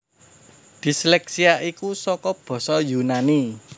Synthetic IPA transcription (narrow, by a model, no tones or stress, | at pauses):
d̪̥i̤slɛksiaʔikusɔkɔb̥ɔ̤sɔjunani